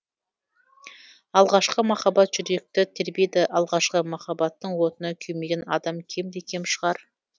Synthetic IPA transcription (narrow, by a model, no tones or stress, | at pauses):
ɑlˠʁɑʃqəmɑχɑbɑt̪ʒ̥ʏɾe̞k̚t̪ɪt̪ʰeɾbed̪ɪʔɑlˠʁɑʃqəmɑχɑbɑt̪ːəɴwo̞t̪ənɑkʲʰɵme̞ɡʲenɑ̰d̪ɑmkʲʰe̞md̪e̞kʲʰe̞mʃəʁɑɾ